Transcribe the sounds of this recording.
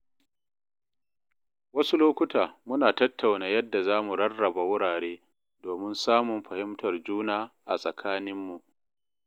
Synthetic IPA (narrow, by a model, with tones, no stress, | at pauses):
wɐ˦su˦loː˦kʷʊ˦taː˨mʊ˦naː˨tɐ˦tʰːa˨wnaː˨jɐ˦dːa˨zaː˦mu˨ɽɐ˦rːɐ˨ba˨wʊ˦ɽaː˨ɽeː˦ | doː˨mɪ˦nsaː˦mʊ˨mɸɐ˨hɪ˦mtɐ˨rd͡ʒuː˦naː˦ʔa̰˨sʼɐ˨kʰaː˦nɪ˦mːu˨ʔ